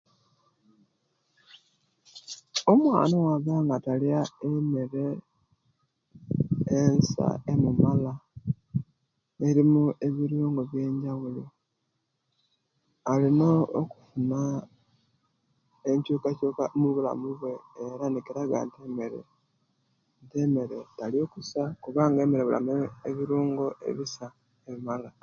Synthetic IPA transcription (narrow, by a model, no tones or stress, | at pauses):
omwa̰ːnawaβaːŋɡataljaemeɾe̞ | ensa̰emumala | eɾimuʔe̞βiɾjoːŋɡoβje̞ːɲɟawuli | alino̞ːku̥funa | eɲcuːkacukamuβula̰muβwe̞eɾanikeɾaɡa̰nteme̞ɾḛ | nte̞me̞ɾe̞talio̞kusakuβaːŋɡe̞ːmeɾeβula̰mueβiɾuːŋɡo̞ʔe̞̰βisa | emimala